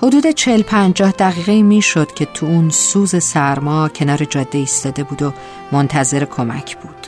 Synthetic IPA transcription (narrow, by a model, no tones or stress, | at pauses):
ho̞d̪uːd̪e̞t͡ʃʰeelpʰænd͡ʒɒːhd̪æɣiːɣe̞iːmiːʃo̞d̪̥cʲʰe̞t̪ʰuunsuːze̞sæɾmɒːcʰe̞nɒːɾe̞d͡ʒɒːd̪ːeiːst̪ɒːd̪e̞buːd̪o | mont̪ʰæze̞ɾe̞kʰo̞mæ̰cʰb̥uːd̪̥